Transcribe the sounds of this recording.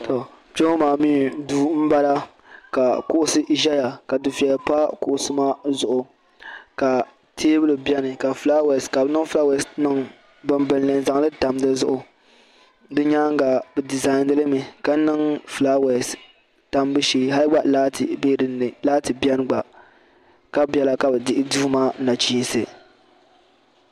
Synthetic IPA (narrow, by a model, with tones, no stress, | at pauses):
to˨ | d͡ʒo˦maː˨miː˦˨duː˦m̩˦ba˦la˦ | ka˨kʊ˦ʔʊ˨sɨ˦ʔi˨ʒa˦ja˨ka˨dɨ˨fi˨ɛ˨lpa˦kʊ˨ʔsɨ˦maː˦zʊ˨ʔʊ˨ | ka˨ | tʰeː˦bɨ˦lɨ˨bjɛ˦nɨ˨ka˨flaː˦wɛ˨ska˨bnɨ˦fla˦wɛ˨snɨ˦ŋ | bɨ˨mbɨ˨n˨lɨ˨nza˨ŋ˦lɨ˦ta˨m˦dɨ˦zʊ˦ʔʊ˨ | dɨ˦ɲaː˦ŋ˦ɡa˨bɨ˨di˨za˨ɪ˨ndɨ˦lɨ˦mɨ˨ka˨˦nɨ˦ŋfla˦we˨s | ta˦m˦bɨ˦ʃiː˦ɦa˦lɨ˦ɡ͡ba˦ʔla˦tbe˦ɾn˨laː˦tɨ˨bjɛ˦n˦ɡ͡ba˨ | ka˦bɛ˨la˦ka˨bɛ˨dɪ˦ʔɪ˦duː˦maː˦na˨t͡ʃiː˦n˦˨sɨ˨